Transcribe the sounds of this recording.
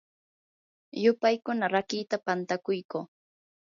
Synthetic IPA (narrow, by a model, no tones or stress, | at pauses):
jʊpajkʊnaɾakiːt̪apant̪akʊjkoː